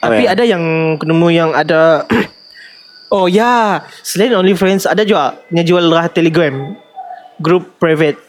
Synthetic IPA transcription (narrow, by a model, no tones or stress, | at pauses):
t̪apiadajaŋkənəmũjaŋada | ojasəlanõnlifɾɛ̃nsadad͡ʒuaʔɲad͡ʒualɾaht̪ɛliɡɾɛm | ɡɾup̚ːɾavɛt̪̚